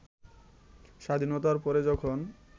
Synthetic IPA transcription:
ʃad̪ʱinot̪aɾpɔɾed͡ʑɔkʰon

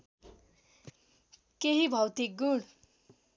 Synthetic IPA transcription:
keɦibʱʌwt̪ik̚ɡuɽ

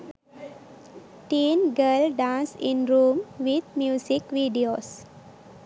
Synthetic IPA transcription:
ʈĩːnɡəlɖãːnsĩnɾũːmʋid̪mjuːsikʋiːɖioːs

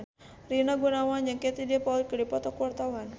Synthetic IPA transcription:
rinaɡunawanjaŋket̪idiapaul̚kɨdipɔt̪ɔkuwart̪awan

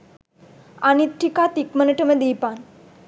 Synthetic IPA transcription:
a̰nit̪ʈʰikat̪ikmənəʈəmed̪ipan

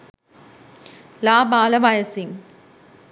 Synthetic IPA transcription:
laːbaːləʋajəsiŋ

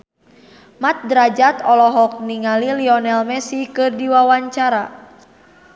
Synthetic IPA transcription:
mat̪̚dɾad͡ʒat̪ɔlɔɦɔk̚niŋaliliɔnɛlmɛsikɨrdiwawaɲt͡ʃaɾa

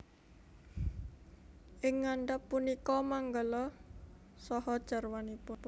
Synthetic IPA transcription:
ʔɪŋːaɳɖapːunikɔmaŋɡəlɔ | sɔhɔd̥ʒ̥a̤rwanipʊ

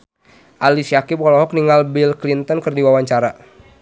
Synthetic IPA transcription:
ʔalisijakipɔlɔɦɔk̚niŋɡalbilklint̪ɔnkɨrdiwawaɲt͡ʃaɾa

